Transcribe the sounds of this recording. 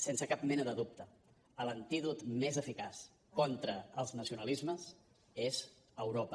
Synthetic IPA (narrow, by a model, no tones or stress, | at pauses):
sensəkap̚mɛnəðəðup̚t̪ə | ələnt̪iðut̪mezəfikas | kɔnt̪ɾəəlˠznəsiunəlizməs | ez | əwɾopə